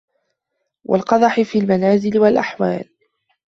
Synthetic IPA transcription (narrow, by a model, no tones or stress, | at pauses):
wʔa̰lqɑd̪ˤɑħɪfiːlmanaːzɪlɪwalʔaħwa̰ːl